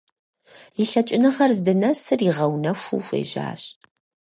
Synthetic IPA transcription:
jiɬɐt͡ʃʼɪnɨχɐrzdɨnɐsɨriʁɐwnɐxʷṵːfʷḛːʒa̰ːɕ

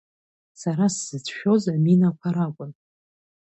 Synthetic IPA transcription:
saɾasːɨt͡sʰʼʃᶣo̞zaminakʷʰaɾakʷʼʊn

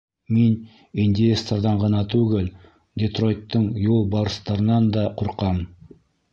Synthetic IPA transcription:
men | inʲd̪ʲɪest̪ord̪ɑɴʁɑnɑt̪ʰʉɡʲɘl | d̪ʲet̪ro̞jt̪ːəɴjolˠbɑɾəst̪ɑɾənɑnd̪ɑqʰoɾqɑm

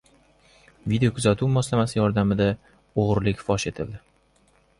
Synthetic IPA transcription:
vid̪ejokʰʊzat̪ʰuwmɒslamasɪjɒɾd̪amɪd̪a | oʁɾlɪkʲfɒʃe̞t̪ʰɪld̪ɪ

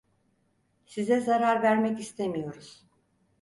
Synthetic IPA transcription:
sizɛzaɾaɾvæɾmɛcist̪ʰemijo̞ɾuz̥

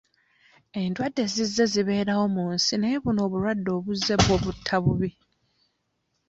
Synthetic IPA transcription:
e̞ndwadːe̞zizːe̞ziβe̞ːɾawo̞muːnsineːβuno̞ːβuɾwadːo̞ːβuzːe̞βwo̞ːβutʰːaβuβi

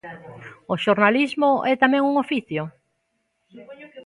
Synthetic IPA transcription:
oʃoɾnalizmoʔɛt̪amɛ̃ŋuŋofiθjo

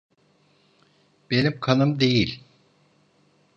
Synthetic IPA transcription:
b̥enimkʰanɯmd̪e̞jilʲ

